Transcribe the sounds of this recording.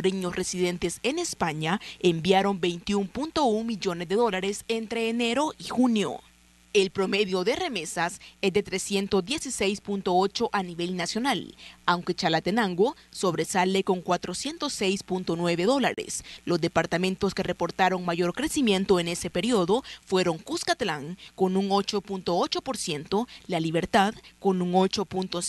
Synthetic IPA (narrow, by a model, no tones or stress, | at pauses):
ɾiɲosresiðe̞nt̪e̞sene̞spaɲaembjaɾo̞mbe̞jnt̪iumpunt̪o̞uŋmiʝo̞ne̞zd̪e̞ðo̞laɾe̞sent̪ɾe̞ːne̞ɾo̞ʔixunjo̰ | elpɾo̞me̞ðjo̞ðe̞re̞me̞sasezd̪e̞t̪ɾe̞sje̞nt̪ozd̪je̞sise̞jspunt̪o̞o̞t͡ʃo̞ʔaniβe̞lnasjo̞nalawŋke̞t͡ʃalat̪enaŋɡoso̞βɾe̞sale̞ko̞ŋkwat̪ɾo̞sje̞nt̪osːe̞jspunt̪o̞nwe̞βe̞ðo̞la̰ɾḛslo̞zd̪e̞paɾt̪amẽ̞nt̪o̞ske̞re̞po̞ɾt̪aɾo̞ŋmaʝo̞ɾkɾe̞simje̞nt̪oene̞se̞pe̞ɾioðo̞fwe̞ɾo̞ŋkuskat̪alaŋko̞nuŋo̞t͡ʃo̞punt̪o̞ot͡ʃo̞po̞ɾsje̞nt̪o̞laliβ̞e̞ɾt̪aðko̞nuŋo̞t͡ʃo̞punt̪o